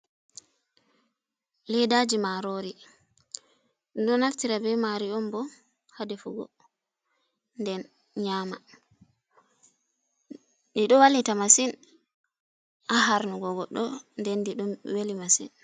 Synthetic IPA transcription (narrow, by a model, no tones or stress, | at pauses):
lɛjdad͡ʒimaɾoɾi | ɗɔnaftiɾabɛmaɾiɔmbɔ | hadɛfuɡɔ̰ | ndɛn | ɲaːma | diɗɔwalːitamasin | aɦaɾnɔɡɔɡɔɗːɔndɛndiɗumwelimasḭn